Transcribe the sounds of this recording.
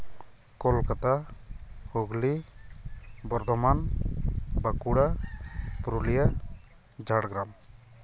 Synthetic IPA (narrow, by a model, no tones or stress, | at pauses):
kɔlkat̪a | huɡli | bɔɾd̪ɔman | bakuɽa | pɾulija | d͡ʒaɽɡɾam